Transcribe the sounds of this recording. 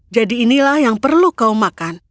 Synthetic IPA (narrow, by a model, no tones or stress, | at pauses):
d͡ʒadiːnilahjaŋpərlukaumakan